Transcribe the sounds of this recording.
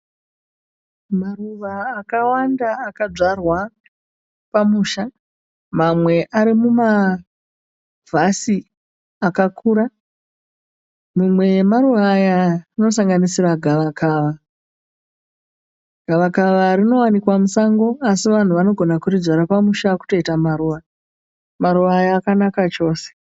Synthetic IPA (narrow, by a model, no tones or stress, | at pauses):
maruʋaːkawandaːkad͡ʐarwa | pamuːʃa | mamwe̞ʔaɾimuma | vʱasi | akakʰuɾa | mumwe̞maɾuʋajarino̞saŋɡanisiraɡʱaʋakʰaːʋa | ɡ̥ʱaʋakaʋarino̞wanikwamusaŋɡo̞asiʋan̤uʋano̞ɡʱo̞nakurid͡zaɾapamuʃaku̥to̞itamaɾuːʋa | maɾuʋajaːkanakat͡ʃo̞ːse̥